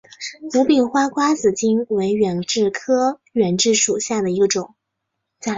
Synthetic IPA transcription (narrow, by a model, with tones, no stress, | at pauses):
mu˧˥pi˨˩ŋxwa˥kʰwa˥t͡sɹ̩˨˩t͡ɕi˥nwe˧˥ɪɥɛ˨˩nʈ͡ʂɻ̩˥˩kʰɤ˥ɥɛ˨˩nʈ͡ʂɻ̩˥˩ʂu˨˩ɕja˥˩d̪ə˩i˧˥ɡə˧ʈ͡ʂʊ˨˩˦ŋ | t͡sa˥˩